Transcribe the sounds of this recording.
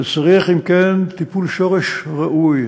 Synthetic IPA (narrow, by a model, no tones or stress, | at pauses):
t͡saʁiaχimkent̪ipulʃoʁeʃʁaʔuj